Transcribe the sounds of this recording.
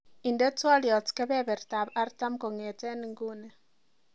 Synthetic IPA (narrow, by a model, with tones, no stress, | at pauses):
i˨ndɛ˦twɔ˦ljɔ˨tkɛ˦bɛ˦bɛ˨ɾta˨ba˦ɾta˦mko˨ŋe˨tɛ˦ni˨ŋɡu˦ne˨